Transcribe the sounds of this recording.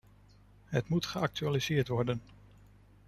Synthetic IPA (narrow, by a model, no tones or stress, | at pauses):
ɦətmutχəɑk̚tyaːlizɪːɹtʋɔɹdən